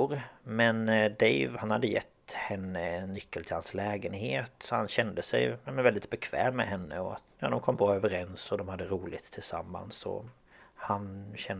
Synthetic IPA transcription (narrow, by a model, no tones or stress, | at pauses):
ɾmɛnd̪ɛɪvhanhad̪ːəjɛt̪ːhɛnːənːʏkːəlt̪ʰɪlhanslɛːɡənheːt̪ɔhanɕɛnd̪əsɛɪɑmɛnvɛld̪ɪt̪bɛkʰvɛ̰ːmmɛɦɛnːə̰ɔa̰t̪jɑ̰ːd̪ɔmkʰɔmːbɾɑːøvəɾɛnsɔd̪ɔmhad̪ːəɾuːlɪɡt̪ʰːɪlsa̰mːa̰nsɔ̰ | hanɕɛn